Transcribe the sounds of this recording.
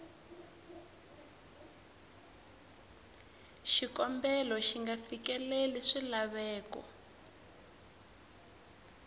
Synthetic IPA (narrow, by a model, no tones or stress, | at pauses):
ʃikɔmbɛlɔʃiŋɡafikɛleliʂilaβɛːkɔ̰